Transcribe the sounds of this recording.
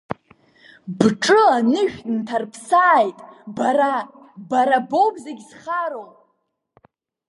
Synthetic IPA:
bʈ͡ʂʼɨanɨʃᶣʲtʼntʰarpʰsaːjtʼbaɾa | baɾabowbzeɡʲz̥χaɾowpʼ

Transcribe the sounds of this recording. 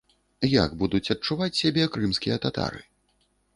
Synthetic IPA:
ja̰ɡbud̪ut͡sʲɐt̚t͡ʂuvat͡sʲsʲabʲɛkɾɨmskʲijɐt̪at̪a̰ɾɨ̰

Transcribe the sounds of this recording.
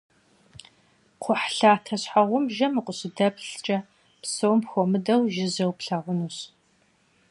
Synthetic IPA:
qʷʰʊħɬaːtʰɐɕħaʁʷʊmʒɐmɨqʷʊɕɪdɐbɬt͡ʃʼɐ | psowmpxʷomɨdɐwʒɪzɐwpɬɐʁʷʊnuɕ

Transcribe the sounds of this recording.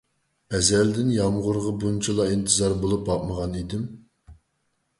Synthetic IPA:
ɛzɛld̪ɪnjɑmʁʊɾʁɑbunt͡ʃʰilˠɑint̪ʰɨzɑɾbolˠupɑp̚məʁɑnid̪ɪm

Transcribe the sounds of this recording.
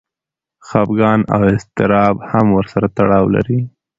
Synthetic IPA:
xɑbɡɑna̰wɪst̪ɪɾɑbhamwəɾsaɾat̪aɽɑwla̰ɾi

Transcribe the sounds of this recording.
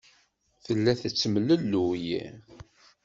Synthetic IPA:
θəlːæθət͡sːəməlːəlːujḭ

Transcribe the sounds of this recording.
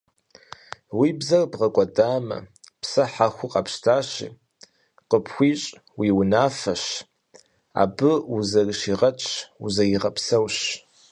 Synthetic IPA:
wiːbzɐrbʁɐkʷʼɔdaːmɐ̰ | psɐħaxʷʊqʼɑpʃtʰaːɕḭː | qəpxʷiːɕʼ | wiːwʊnaːfɐɕ | a̰ːbɨuzɐrɨʃiːʁɐt͡ʃʼṵzɐjɪʁɐpsɐwɕ

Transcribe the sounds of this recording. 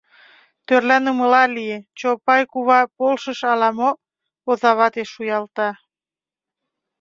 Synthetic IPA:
t̪ørlænəməlɑliet͡ɕopɑjkuβɑpolʃəʃɑlɑmo | ozɑβɑt̪eʃujɑlt̪ɑ

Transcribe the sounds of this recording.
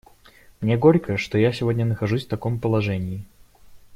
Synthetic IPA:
mnʲeɡoɾʲkəʂt̪ojasʲɪvo̞dʲnʲənəxɐʐusʲft̪ɐko̞mpəlˠɐʐɛnʲɪɪ

